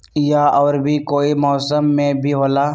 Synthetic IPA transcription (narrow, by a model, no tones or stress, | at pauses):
jaɔːɾbʱikoːimɔːsəmːẽbʱiɦoːlaː